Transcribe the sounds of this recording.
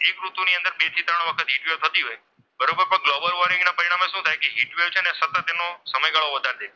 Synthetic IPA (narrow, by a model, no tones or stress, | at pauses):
ekɾut̪uniə̃nd̪əɾbet̪ʰit̪ɾəɳ̃ʋəkʰət̪ɦiʈʋewt̪ʰət̪iɦoj | bəɾobəɾpə̃ɡlobəlʋoɾĩŋɡnapəɾiɽ̃ameʃũt̪ʰajkeɦiʈʋeʋt͡ʃʰenesət̪ət̪ːenosəməjɡaɭoʋəd̪ʱaɾd̪ʰe